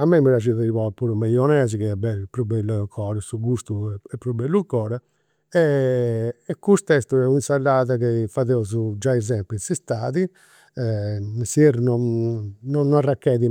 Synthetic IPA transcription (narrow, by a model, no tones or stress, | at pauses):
amːɛməɾad͡ʒiðaɾiβɔpuɾumɛjɔnɛːzikɛɛbɛlpɾubɛlːkʰɔːɾasuɡust̪uɛɛpːɾubɛlːukɔːɾa | ɛ | ɛkːust̪ɛst̪uɛuinsalːaːðakefaðɛuzud͡ʒaizɛmpisist̪aːði | ɛsiɛɾnɔnnɔnːarːakːɛði